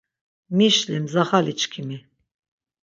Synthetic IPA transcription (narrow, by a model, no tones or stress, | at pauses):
miʃlimzaχalit͡ʃkʰimi